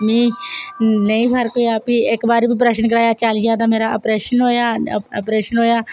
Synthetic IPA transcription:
mĩː | nəĩːpəɾkoːiaːpiɪkbaːɾːbiːpɾɛʃənkəɾaːjaːt͡ʃəlːaːt̪̬ãːmeːɾaːəpɾeːʃənɦoːjaːə̰pɾeːʃənɦoːjaː

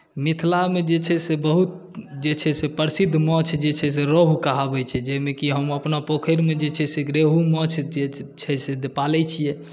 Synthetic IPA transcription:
mit̪ʰlamed͡ʒet͡ʃʰɛsebəɦut̪̚ | d͡ʒet͡ʃʰɛsepəɾsid̪ʱmət͡ʃʰd͡ʒet͡ʃʰɛs̬eɾoɦkaɦabɛt͡ʃʰɛd͡ʒɛmekiɦəməpnapokʰəɾmed͡ʒet͡ʃʰɛseɡɾeɦumət͡ʃʰet͡ʃʰɛsed̪epalɛt͡ʃʰijɛ

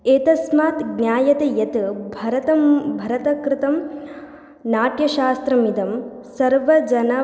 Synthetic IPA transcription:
eːt̪ɐsmaːt̪ɡnʲjaːjɐt̪ejɐt̪bʱɐɾɐt̪ɐmbʱɐɾɐt̪ɐkɾɪt̪ɐm | naːʈjɐʃaːst̪ɾɐmid̪ɐm | sɐɾʋɐd͡ʒɐnɐ

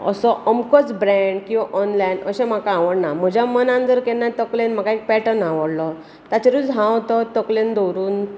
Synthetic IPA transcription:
ə̰sɔʔəmkət͡sbɾɛɳɖkĩw̃ʋaʔɔnlajnəɕɛm̤akaːʋəɽnam̤əd͡ʑʱjamənãnd͡zəɾkɛnːat̪əklenm̤akaek̚pɛʈənaʋəɽlɔ | t̪at͡ɕeɾud͡zɦãwt̪ɔt̪əklend̪ɔwɾuːn

